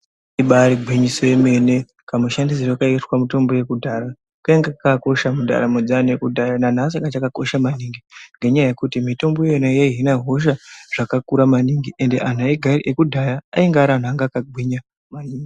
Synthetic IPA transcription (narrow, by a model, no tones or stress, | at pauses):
iɓaɾiɡʱwiɲisojeme̞ne̞ | kamuʃandis̬iroakaiswamuto̞mbo̞je̞kudʱaɾa | kaeŋɡakako̞ʃamudʱa̰ɾamod͡zanekudʱajanan̤as̬aŋɡat͡ʃakako̞ʃamaniːŋɡiŋɡeɲajaje̞kutimito̞mbojeenajaiɦinaɦo̞ʃ̬aʐ̥akakuɾamaniŋɡiʔe̞nde̞̰ʔan̤uaiɡʱaɾiʔekudʱajaaiŋɡaɾan̤uaŋɡaːkaɡʱwiɲa | maniːŋɡi